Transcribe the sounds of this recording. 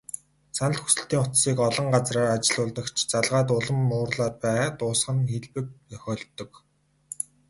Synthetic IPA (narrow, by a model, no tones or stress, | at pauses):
sʰanə̆ɬt̪xu̥sɘ̆ɬt̪iːŋʊt̪siːkɔɮɞ̆ɴɢat͡sraːrat͡ɕɪ̆ɮʊːɮt̪ə̆kt͡ɕʰt͡saɮʁaːt̪̬ʊɮə̆mːʊːrɮaːt̪̚pæːt̪ʊːsχə̆nxeɮpɘ̆k̚t͡sœxʲɔːɮt̪ːɞ̆k